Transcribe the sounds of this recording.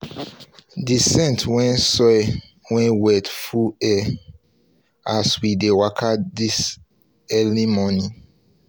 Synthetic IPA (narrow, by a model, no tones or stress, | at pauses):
disɛ̃ntwɛ̃nsɔj | wɛ̃nwɛtfuɛ | aswidewakʰadis | ɛlimɔnĩ